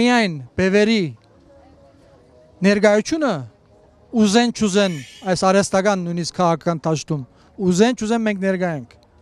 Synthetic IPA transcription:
ijɑjnb̥ɛvɛɾi | nɛɾɡɑjut͡sʰjunə | uzɛnt͡ʃʰuzɛnɑjsɑɾɛst̪ɑɡɑnːujniskʰːɑʁɑkʰɑkɑnt̪ʰɑʃt̪um | uzɛnt͡ʃʰuzɛnmɛŋkʰnɛɾɡɑjɛŋkʰ

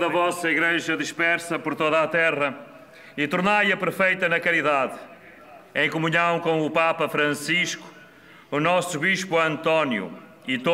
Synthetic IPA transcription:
ðɐvɔsɐiɣɾeʒɐðiʃpɛɾsɐpɔɾt̪oðat̪ɛʁɐ | it̪uɾnajɐpɨɾfejt̪ɐnɐkɐɾiðað | ẽj̃kumuɲɐ̃w̃kõw̃upapɐfɾɐ̃siʃku̥ː | nɔsuβiʃpuɐ̃nt̪ɔnjṵ | it̪o

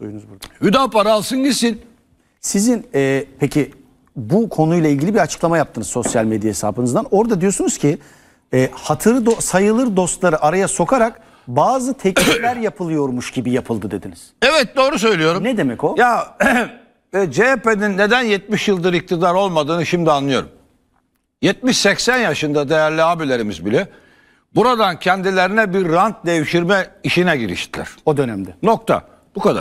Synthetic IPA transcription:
o̰jnuzbuɾhyd̪apaɾalˠsɯnɟisin | sizinɛːpʰecʰi | bukʰo̞nujlˠailʲɟilʲibiɾat͡ʃʰɯ̥klˠamajap̚t̪ʰɯnɯzso̞sjalʲmed̪jahesa̰ːbɯnɯzd̪ano̞ɾd̪ad̪ijo̞sunuz̥cʰi | ɛːhat̪ʰɯɾɯd̪osajɯlˠɯɾd̪o̞st̪lˠaɾɯʔaɾajaso̞kʰaɾak | baːzɯt̪ʰɛclʲiɾlʲæɾjapʰɯlˠɯjo̞ɾmuʃɟ̥ibijapʰɯlˠd̪ɯd̪e̞d̪iniz̥ɛvɛt̪̚d̪o̞ːɾus̬ø̞jlʲijo̞ɾumnɛd̪emɛcoja | ɛd͡ʒeepeninːed̪ænjɛt̪̚miʃjɯlˠd̪ɯɾic̚t̪ʰid̪aɾo̞lˠmad̪ɯːnɯʃimd̪ianlˠɯjo̞ɾum | jɛt̪̚miʃsɛcsænjaʃɯnd̪ad̪e̞jæɾlʲiabilʲeɾimizbilʲɛ | buɾad̪ancʰɛnd̪ilʲeɾinɛbiɾːant̪̚d̪e̞jiʃiɾmɛiʃinɛɟiɾḭʃt̪ʰilʲæ̰ɾ̥o̞d̪ø̞næmd̪ɛno̞k̚t̪ʰa̰ | b̥ukad̪a̰ɾ

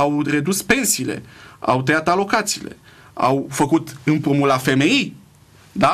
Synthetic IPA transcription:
awre̞d̪uspe̞nsiːle̞̰a̰wt̪ejat̪alo̞kat̪sḭːle̞̰ | a̰wfəkut̪ɨnpomulafe̞me̞i | d̪a

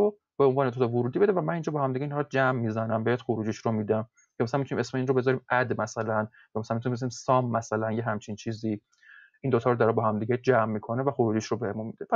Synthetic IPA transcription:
o | b̥eonvɒːnet̪ʰot̪ʰɔvoɾuːd̪ibe̞d̪evæmænind͡ʒɒbɒhæmd̪iɟeinhɒɾd͡ʒæmːizænæmbejæd̪xoɾuːd͡ʒiʃɾomid̪æm | cʰemæsælænmiunimesmeinɾobe̞zɒɾiːmæd̪mæsælæn | jɒmæsælænmit̪unimezɔɾimsɒmːæsælænjeɦæmt͡ʃʰint͡ʃʰiːzi | ind̪ot̪ʰɒːɾod̪ɒɾebɒɦæmd̪iːɡed͡ʒæmːikʰonevæxoɾuːd͡ʒiʃɾobehemunmid̪epʰæs

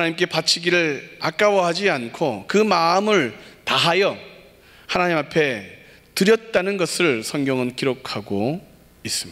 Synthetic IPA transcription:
anaɲimk͈e̞pat͡ɕʰiɡiɾɯɭak͈awʌɦad͡ʑiankʰokɯmaɯmɯɭtaɦajʌ | hanaɲimapʰe̞ | tɯɾjʌt̚t͈anɯnɡʌsʰɯɭsʰʌŋɡjʌŋɯnkiɾokʰaɡo | is͈ɯmia

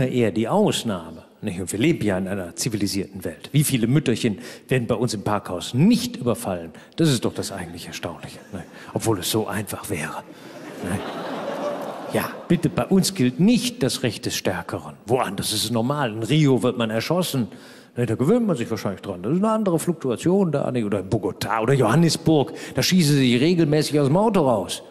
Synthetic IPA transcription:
aʔeːɐdiːʔaʊsnaːmə | nɪçtʊntv̥iːɐleːbm̩jaːɪnʔaɪnɐt͡siviliziːɐtn̩vɛltv̥iːfiːləmʏtɐçənveːɐdn̩baɪʊnsɪmpʰaɐkhaʊsnɪçtʔyːbɐfalən | d̥asɪstd̥ɔχd̥asʔa̰ɪɡŋ̩tlɪçɛɐʃtaʊnlɪçə̥nɪç | ʔɔpv̥oːlɛsz̥oːʔa̰ɪnfaχv̥ɛːʁənəç | jaːb̥ɪtəbaɪʔʊnsɡ̥ɪltnɪçt̚d̥asʁɛçt̚d̥ɛsʃtɛɐkʰəʁənvoʔa̰ndɐsɪstɛsnɔɐmaːlɪnʁiːovɪɐtmanɛɐʃɔsn̩ | nəd̥aːɡəvøːntmanzɪçv̥aːɐʃaɪnlɪçd̥ʁand̥asɪstnəandəʁəflʊk̚tuat͡sjoːnda̰ːnçʔoːdɐɪnbʊɐɡotʰa̰ːʔoːdɐjohanəsb̥ʊɐkd̥aːʃiːsn̩zizɪçʁeːɡl̩mɛːsɪçaʊsmaʊtoaʊs

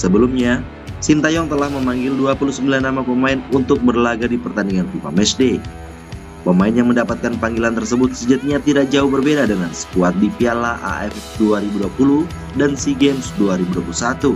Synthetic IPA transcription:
səbəlumɲa | sint̪ajɔŋt̪əlahməmaŋɡɪlduapulusəmbilanːamapəmaɪnunt̪ʊk̚bərlaɡadipərt̪andiŋanfima̰mɛsde | pəmaɪnjaŋməndapat̪̚kanpaŋɡilant̪ərsəbʊt̪̚səd͡ʒat̪̚ɲat̪idak̚d͡ʒaʊhbərbedadəŋansə̥kuat̪̚dipialaʔa̰ʔɛfduaɾibuduapulu | dansiɡɛmsduaɾibuduapulsat̪u

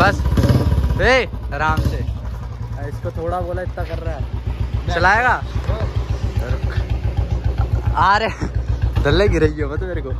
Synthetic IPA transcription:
bɐs | bʱeːɾaːmseː | ɪskot̪ʰoːɽaboːlaɪt̪ːakɐɾːaɛːt͡ʃɐlaːeːɡaː | sɐɾ | aːɾed̪ɐlːeɡɪɾaid͡ʒiobɐt̪meːɾekoː

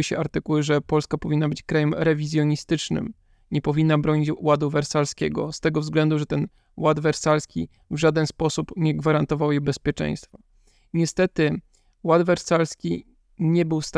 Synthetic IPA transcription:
ɘɕɛ̰aɾt̪ɘkuwɘʐɛpɔlskapɔvʲinːabɘt͡ɕkɾajɛmɾɛvʲizʲjɔɲist̪ɘt͡ʂnɘ̰m | ɲɛpɔvʲinːabɾɔɲit͡ɕwad̪uvɛɾsalskʲɛ̰ɡɔ̰st̪ɛɡɔvzɡlɛnd̪uʐɛt̪ɛn | wad̪vɛɾsalskʲi | vʐad̪ɛnspɔsupɲɛɡvaɾant̪ɔvawjebɛspʲjɛt͡ʂɛ̰j̃st̪fɔ | ɲɛst̪ɛt̪ɘ | wad̪vɛɾsalskʲi | ɲɛbɘwst̪

